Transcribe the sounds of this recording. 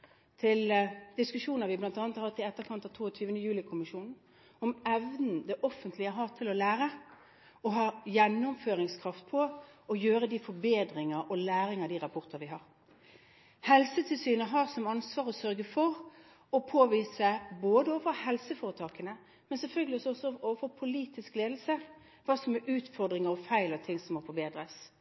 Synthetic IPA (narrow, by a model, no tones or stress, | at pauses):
t̪ʰɪld̪̥ɪskʉʂuːnəɾʋɪblɑnt̪ɑːnət̪hɑt̪ːɪɛt̪ːəɾkʰɑnt̪ɑʋt̪ʰuːt̪ʰyːʋənəjʉːlɪkʰʊmɪʂuːnn̩ | ɔmɛʋnn̩d̪ɛʔɔfːənt̪ʰlɪəɦɑːt̪ʰɪlɔlæːɾə | ɔɦɑːjɛnːʊmføːʁɪŋskʰʁɑft̪̚pʰɔɔjøːɾəd̪ifɔɾbeːd̪ɾɪŋəʔɔlæːɾɪŋəd̪iːʁɑpʰɔʁt̪əʋɪɦɑːʁ | hɛlsət̪ʰɪlsyːnəɦɑːɾsɔmɑnsʋɑːɾɔsœɾɡəfɔʁ | ɔpʰoːʋiːsəboːd̪əoːʋəhɛlsəfoːɾət̪ʰɑːkənə | mɛnsɛfœlɡlɪɔsɔɔsːɔoːʋəfɔpʰʊliːt̪ɪskleːd̪lsə | ʋɑːsɔmɛʉːt̪fɔʁd̪ɾɪŋəɾɔfæɪlɑt̪ʰɪŋsɔmːɔfɔɾbeːd̪ɾəs